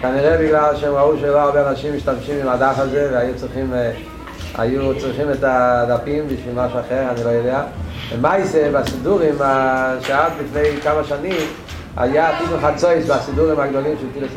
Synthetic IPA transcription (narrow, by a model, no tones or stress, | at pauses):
kaniʁɛbɪɡlalʃɛɛmʁauʃɛloaʁbɛanaʃimːiʃtamʃimimadafazɛvɛajut͡sʁiχim | a̰jut͡sʁiχimɛtadapimbiʃvilmaʃuaχɛʁanilojodeabɛmajsebasiduʁimaʃeadlifnejkamaʃanim | a̰jaːtinuχat͡soɪsbasiduʁimaɡdolimʃɛltiles